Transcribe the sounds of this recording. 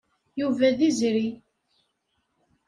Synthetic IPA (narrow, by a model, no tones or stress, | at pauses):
juvæðizɾi